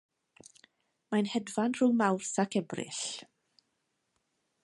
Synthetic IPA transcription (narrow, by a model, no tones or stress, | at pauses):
majnhɛdvanr̥uːmawrsakɛbrɪ̰ɬ